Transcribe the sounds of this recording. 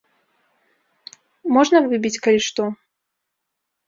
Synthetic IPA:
mɔʐnɐvɨbʲit͡sʲkɐlʲiʂt̪ɔ

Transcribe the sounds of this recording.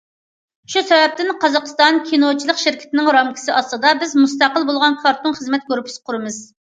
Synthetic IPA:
ʃusɛvɛp̚t̪ɪnqʰɑzɑqst̪ɑnkʲʰinot͡ʃʰilˠəqʃɪɾkʲʰɪ̥t̪ʰɪnɪŋɾɑmkʲʰi̥sɪʔɑslˠɨd̪ɑbɪzmust̪ɑqəlˠbolˠʁɑnkʰɑɾt̪unχəzmɛt̪̚ɡʲoɾupʰɪ̥sɨ̥qʰʊɾɨmɨz̥

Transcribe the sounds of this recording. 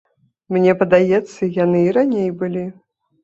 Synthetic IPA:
mnʲɛpɐd̪ajɛt̪sːɐjan̪ɨiɾanʲejbɨlʲi

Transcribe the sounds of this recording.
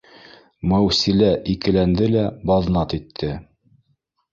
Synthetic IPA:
mæwsilæʔikɘ̆lænd̪ɘlæbɑðnɑt̪it̪ʰːɘ

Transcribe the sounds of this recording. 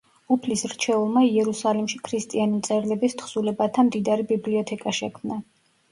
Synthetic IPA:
upʰlisɾt͡ʃʰɛulˠmaiɛɾusalimʃikʰɾist̪ʼianit̪sʼɛɾlɛbist̪ʰχsulɛbat̪ʰamd̪id̪aɾibibliɔt̪ʰɛkʼaʃɛkʰmna

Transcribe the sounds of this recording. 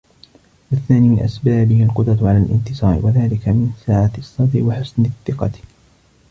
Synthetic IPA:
waθaːniːʔa̰sbaːbɪhalqʊd̪ɾˤɑt̪ʕalaːlʔɪ̰nt̪ɪsˤɑːɾɪ̰waðaːlɪkamɪnsaːʕat̪sˤːɑd̪ɾɪwaħʊsnɪθːɪqɑ

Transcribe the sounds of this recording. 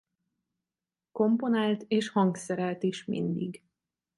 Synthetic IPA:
ko̞mpo̞naːlt̪eːʃhɒŋksɛɾɛlt̪iʃmḭnd̪ḭɡ

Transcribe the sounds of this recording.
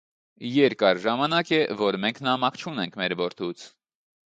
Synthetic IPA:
jɛɾkɑɾʒɑmɑnɑkɛvɔɾmɛŋkʰnɑmɑkt͡ʃʰunɛŋkʰmɛɾvɔɾt̪ʰut͡sʰ

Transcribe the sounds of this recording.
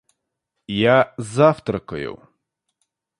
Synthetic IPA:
jazawt̪ɾɐkɔjʊ̰w

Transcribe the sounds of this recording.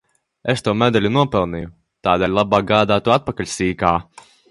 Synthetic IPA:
est̪uːmɛd̪ɛlʲunuɔpɛlˠniju | t̪aːd̪ɛːlʲlˠabaːɡaːd̪aːt̪uːat̪̚pakalʲsiːkaː

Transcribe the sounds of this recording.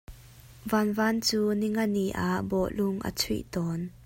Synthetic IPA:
vanvaːnt͡suːniŋɐniʔaʔbɔʔlʊŋʔə̰t͡sʰḭʔt̪ɔːn

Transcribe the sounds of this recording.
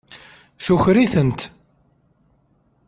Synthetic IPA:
θuçɾiθənt̪

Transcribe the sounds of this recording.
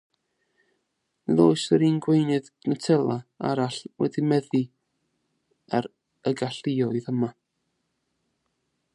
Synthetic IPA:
niðoːɨsəɾiːnɡwejnɨð | nətʰɛlˠaa̰ɾaɬwɛ̰dimɛði | aɾ | əɡaɬiɔjðəma

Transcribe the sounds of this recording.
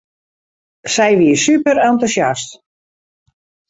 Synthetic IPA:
sɛjʋiːsypəɾantusjast

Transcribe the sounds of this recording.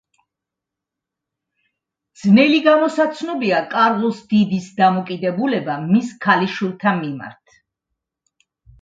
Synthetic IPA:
d̪z̥nɛliɡamɔsat̪sʰnɔbiakʼaɾʁɔsd̪̥id̪isd̪amɔkʼid̪ɛbulɛbamiskʰaliʃwilˠt̪ʰanmima̰ɾt̪ʰ

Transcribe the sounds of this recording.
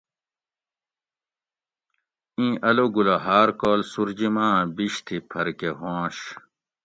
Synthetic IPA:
ĩːʔɐloɡulɐɦaːɾkoːlsuɾd͡ʑimãːbiɕt̪ʰipʰɐɾkeɦõːɕ

